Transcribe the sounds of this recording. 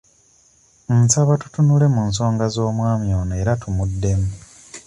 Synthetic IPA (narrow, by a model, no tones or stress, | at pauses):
nsaβatu̥tunule̞muns̬o̞ːŋɡazo̞ːmwaːmjo̞ːneːɾatumudːe̞mu